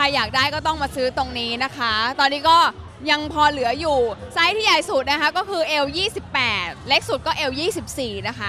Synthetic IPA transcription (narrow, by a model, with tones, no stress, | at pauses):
kʰa˧jːaː˨˩k̚daː˥˩jkɔː˥˩t̪ɔ˥˩ŋmaː˧sɯː˦˥t̪o˧ŋniː˦˥na˦˥kʰa˦˥t̪ɔː˧nːiː˦˥kɔː˥˩ | ja˧ŋpʰɔː˧lɯ˩˦ɐjuː˨˩sa˦˥jt̪ʰiː˥˩jaː˨˩jsu˨˩t̪̚na˦˥kʰa˦˥kɔː˥˩kʰɯː˧ʔeː˧wjiː˥˩si˨˩pːɛː˨˩t̪̚le˦˥k̚su˨˩t̪̚kɔː˥˩ʔe˧wjiː˥˩si˨˩p̚siː˨˩na˦˥kʰa˦˥